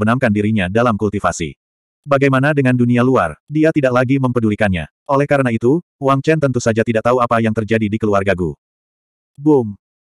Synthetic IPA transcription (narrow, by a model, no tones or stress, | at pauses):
bənaŋkandiɾiɲadalamkult̪ifa̰sḭ | baɡajmanadəŋandunialua̰rdiat̪idak̚laɡiməmpədulikanɲa̰ | ʔolɛhkaɾənait̪u | waŋt͡ʃɛnt̪ənt̪usad͡ʒat̪idaʔ̚t̪auapajaŋt̪ərd͡ʒadidikəluarɡaɡṵ | bʊm